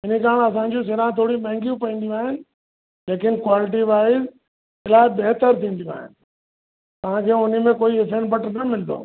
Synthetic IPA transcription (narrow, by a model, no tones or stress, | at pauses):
ɪnikaːɽ̃ɐs̬ãːɲd͡ʑos̬ɪɾãt̪ʰoːɽimɛ̃ɦɪ̃ŋɡijũpɐĩn̆d̪ijũaːɦɪnɪ̆ | leːkɪnkwaːlɪʈ̬iʋaːɪz | ɪlaːɪbeɦt̪əɾt̪ʰĩːn̆d̪ijũa̰ːɦɪ̰nɪ̆ | t̪ɐʋ̤ãkʰeːʊnimẽkoːiɪfẽːɳʈbɐʈnɐmɪld̪o̰ː